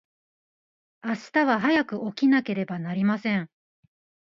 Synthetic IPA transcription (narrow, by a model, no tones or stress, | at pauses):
aɕi̥t̪aβaɦajakɯ̟ʔo̞kʲinake̞ɾe̞banaɾʲimasẽ̞ɴ